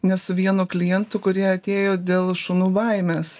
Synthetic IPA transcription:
nʲɛsʊʋʲiɛnʊklʲɪjɛnt̪ʊkʊɾʲiɛɐt̪ʲeːjoːd̪ʲeːlˠʃʊnuːʋɐˑɪmʲeːs

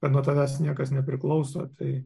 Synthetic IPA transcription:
kɐt̪nuɔt̪ɐʋʲæːsnʲiɛkɐsnʲɛpʲɾʲɪklˠɐʊsɐ̰t̪ɐɪ

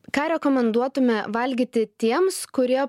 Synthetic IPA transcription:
kɑːɾʲɛkoːmʲɛnd̪uɔt̪ʊmʲɛʋɐlʲɡʲit̪ʲɪt̪ʲiɛmskʊɾʲiɛ

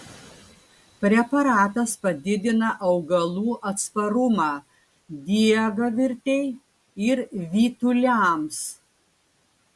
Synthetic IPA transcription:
pʲɾʲɛpɐɾɑːt̪ɐspɐd̪ʲɪd̪ʲɪnɐʔɐʊɡɐlˠuːʔɐt̪spɐɾʊmɑː | d̪ʲiɛɡɐʋʲɪɾʲt̪ʲɛɪ | ɪɾʋʲiːt̪ʊlʲæms

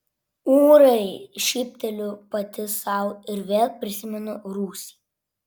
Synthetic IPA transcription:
uːɾɐɪʃʲiːpʲt̪ʲɛlʲʊpɐt̪ʲɪsɐʊɪɾʋʲeːlˠpʲɾʲɪsʲɪmʲɛnʊɾuːsʲi̥ː

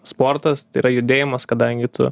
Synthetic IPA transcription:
spoːɾt̪ɐst̪ɐɪiːɾɐjʊd̪ʲeːjɪmɐskɐd̪ɐŋʲɡʲɪt̪ʊ̰

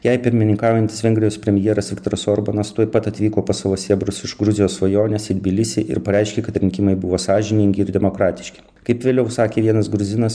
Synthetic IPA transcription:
jɛɪpʲɪɾʲmʲɪnʲɪŋkɑːʊjɛnʲt̪ʲɪ̥sʋʲɛŋʲɡʲɾʲɪjoːspʲɾʲɛmʲɪjɛːɾɐsʋʲɪkt̪oːɾɐsoɾbɐnɐst̪uɔɪpɐt̪ɐt̪ʲʋʲiːkoːpɐsɐʋosʲeɛbɾʊsɪʃɡɾʊzʲɪjoːsʋɐjoːnʲɛsɪd̪ʲbʲɪlʲɪsʲeʔɪ̰ɾpɐɾʲɛɪʃʲkʲeːkɐt̪ɾʲɪŋʲkʲɪmɐɪbʊʋoːsɑːʒʲɪnʲɪŋʲɡʲɪɪɾd̪ʲɛmokɾɑːt̪ʲɪ̥ʃʲkʲɪ̥ | kɐɪpʋʲeːlʲɛʊsɑːkʲeːʋʲiɛnɐsɡɾʊzʲɪnɐs

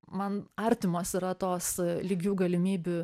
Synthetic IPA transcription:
mɐnɐɾʲt̪ʲɪmoːsiɾɐt̪oːslʲiːɡʲuːɡɐlʲɪmʲiːbʲʊ

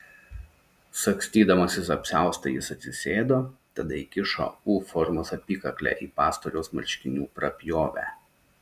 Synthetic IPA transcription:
sɐksʲt̪ʲiːd̪ɐmɐsʲɪs̬ɐpʲsʲæˑʊst̪ɐjɪsɐt̪ʲsʲɪsʲeːd̪oːt̪ɐd̪ɐɪkʲɪʃo̰ːuːfɔɾmʊsɐpʲiːkɐklʲæ̰ːʔiːpɑːst̪oɾʲoːsmɐ̰ɾʲʃʲkʲɪnʲuːpɾɐpʲjoːʋʲæ̰ː

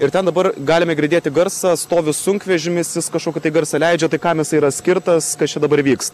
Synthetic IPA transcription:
ɪɾt̪ʲɛnd̪ɐbɐɾɡɑːlʲɪmɐɪɡʲɾʲɪd̪ʲeːt̪ʲɪɡɐɾsɐst̪oːʋʲʊssʊŋʲkʲʋʲɛʒʲɪmʲɪsʋʲɪskɐʃkoːkʲɪt̪ɐɪɡɐɾsɐlʲɛɪd͡ʒʲɛt̪ɐɪkɑmjɪsɐɪiɾɐsʲkʲɪɾt̪ɐskɐt͡ʃʲɛd̪ɐbɐɾʋʲiːks

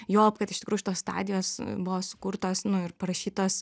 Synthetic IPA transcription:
joːpkɐt̪ɪʃtʲɪkɾuːjʊʃʲɪt̪oːst̪ɑ̰ːd̪ʲɪjoːsbʊʋoːsʊ̥kuɾt̪oːsnʊɪrpɐɾɐʃʲiːt̪oːs

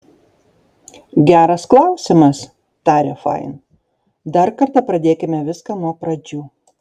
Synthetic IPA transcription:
ɡʲæːɾɐsklˠɑˑʊsʲɪmɐs | t̪ɑːɾʲeːfɑ̰ɪn | d̪ɐɾkɐɾt̪ɑpɾɐd̪ʲeːkʲɪmʲɛʋʲɪskɑːnuɔpɾɐd͡ʒʲuː

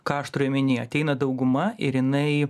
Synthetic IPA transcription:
kɑːʃt̪ɾoɛmʲɪnʲiːɐt̪ʲɛɪnɐd̪ɐʊɡʊmɐɪɾjɪnɐɪ

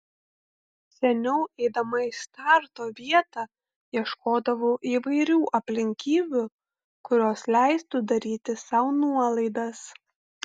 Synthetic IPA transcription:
sʲɛnʲɛʊɛɪd̪ɐmɐist̪ɑˑɾt̪oːʋʲiɛt̪ɑː | iɛʃkoːd̪ɐʋoːʔiːʋɐɪɾʲuːʔɐpʲlʲɪŋʲkʲiːbʲʊ | kʊɾʲoːslʲæˑɪst̪ʊd̪ɐɾʲiːt̪ʲɪsɑˑʊnuɔlˠɐɪd̪ɐs

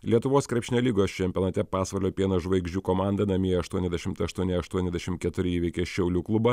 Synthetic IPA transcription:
lʲiɛt̪ʊʋoːskɾʲɛˑpʲʃʲnʲɛlʲiːɡoːst͡ʃʲɛmʲpʲioːnɐt̪ʲɛpɑːsʋɐlʲoːpʲiɛnɐʒʋɐɪɡʒʲd͡ʒʲuːkoːmɑˑnd̪ɐnɐmʲiɛjɛɐʃt̪uɔnʲɛzʲd̪ʲɛʃʲɪmt̪ɐɐʃt̪uɔnʲɪɐʃt̪uɔnʲɛzʲd̪ʲɛʃʲɪmt̪̚kʲɛt̪ʊɾʲɪiːʋʲɛɪkʲeːʃʲɛʊlʲuːklˠʊbɐ

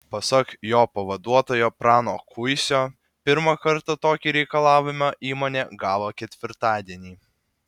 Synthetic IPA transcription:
pɐsɐkjoːpɐʋɐd̪uɔt̪oːjoːpɾɑːnoːkʰʊɪsʲoː | pʲɪɾmɐkɐɾt̪ɐt̪oːkʲiːɾʲɛɪkɐlˠɑːʋʲɪmʲoʔiːmoɔːnʲeːɡɑːʋoːkʲɛt̪ʲʋʲɪɾt̪ɑːd̪ʲiɛnʲiː

